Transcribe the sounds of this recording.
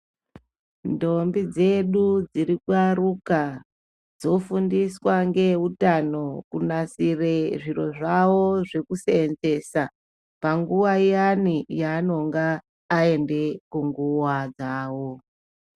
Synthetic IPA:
ndo̞mbid͡ze̞ɗud͡ziɾikwaruka | d͡zo̞fundiswaŋɡe̞utano̞kunasireʐiɾo̞̰ʐawoʐe̞kuseːnze̞sa | paŋɡuʋaijanijaːno̞ŋɡaː | e̞nde̞kuŋɡuwad͡zaːwo̞

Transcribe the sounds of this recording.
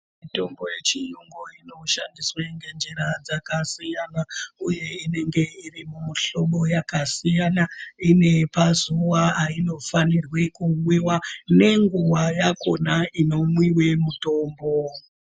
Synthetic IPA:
mito̞mbo̞je̞t͡ʃijuŋɡoino̞ʃandisweŋɡe̞nd͡ʒeɾad͡zakasijanauje̞ine̞ŋɡe̞irimuɬo̞ɓo̞jakasijanaine̞pazuwaːino̞fanirwe̞kuwiwane̞ŋɡuwajako̞naino̞mwiwe̞muto̞ːmbo̞

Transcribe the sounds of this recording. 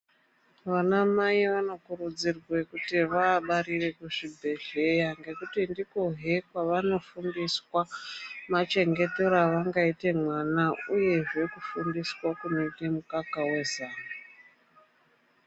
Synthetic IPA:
ʋanamaiʋano̞kurud͡zirwe̞kutiʋaːɓaɾire̞kuʐibʱe̞ɮe̞jaŋɡe̞kutindikoɦe̞kwaʋano̞fundiswamat͡ʃe̞ŋɡe̞toɾaʋaŋɡaite̞mwanauje̞ʐe̞kufundiswakuno̞ite̞mukakawe̞zaːna

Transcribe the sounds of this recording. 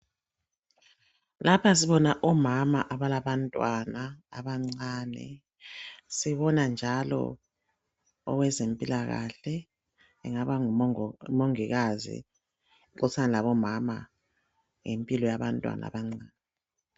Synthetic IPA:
lapʰas̬iβɔnaʔɔmamaʔaβalaβantʼwanaaβaŋ͡ǀaːnɛ̰ | siβɔnand͡ʒʱalɔ̰ | ɔ̰wɛzempʼilaɣa̰ɬɛ | ɛ̰ŋaβaumoŋiɣazḭ | ǃusʰanɛlaβɔmama̰ | ŋempʼilɔjaβantʼwa̰na̰βaŋ͡ǀaːnɛ

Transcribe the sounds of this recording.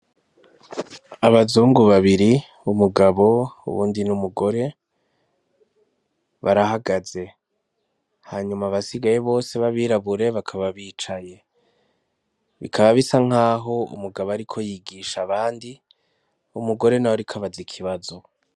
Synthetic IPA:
aβazuːŋɡuβaβiɾi | umuɡaβo̞ṵβṵːndinumuɡo̞ɾe̞ | βaɾaɦaɡaze̞ | haːɲumaβasiɡaje̞βo̞ːse̞βaβiːɾaβuɾe̞βakʰaβaβiːt͡ʃaje̞ | βḭkʰaβaβisaŋ̥ɦaːɦo̞ṵmuɡaβoaɾikʰojiːɡiʃaβaːndi | umuɡo̞ɾe̞nawoɾikʰaβazikʰiβazo̞

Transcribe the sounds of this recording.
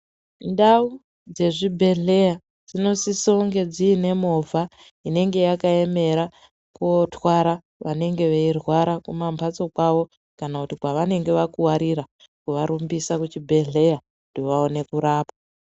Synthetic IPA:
ndau | d͡ze̞ʐibʱe̞ɮe̞ja | d͡zino̞sisoŋɡe̞d͡ziːne̞mo̞vʱa | ine̞ŋɡe̞jakae̞me̞ɾa | kuotwaɾa | ʋane̞ŋɡe̞ʋeirwaɾakumampʰat͡so̞kwaʋo̞ | kanakutikwaʋane̞ŋɡe̞ʋakuwaɾiɾa | kuʋaɾumbisakut͡ʃibʱe̞ɮe̞ja | doʋaone̞kuɾaːpḁ

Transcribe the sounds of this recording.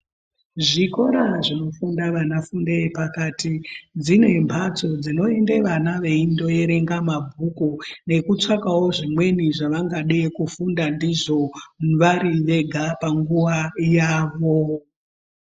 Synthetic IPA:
ʐiko̞ɾaʐino̞fundaʋanafundepakaːtid͡zine̞mbʰat͡so̞d͡zino̞ende̞ʋanaʋe̞indo̞e̞ɾe̞ŋɡamabʱukune̞kut͡ʂakawo̞ʐimwe̞niʐaʋaŋɡaɗekufundandiʐo̞ʋaɾiʋe̞ɡʱapaŋɡuʋajaːʋo̞

